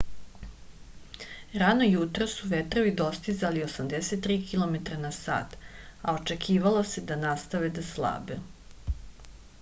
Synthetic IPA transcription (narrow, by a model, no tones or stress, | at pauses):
ɾanojut̪ɾosuʋet̪ɾoʋid̪o̞st̪izalio̞samd̪eset̪ːɾiːkʰilˠo̞met̪ɾanasa̰ːt̪ao̞t͡ʃekʰiːʋalˠose̞d̪anast̪aʋed̪aslˠa̰ːbe